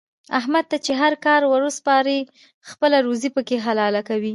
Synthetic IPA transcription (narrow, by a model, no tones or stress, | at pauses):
ahmad̪̚t̪at͡ʃeɦaɾkɑɾwəɾəspɑɾi | xpəlaɾuzipəkeɦalɑlakawi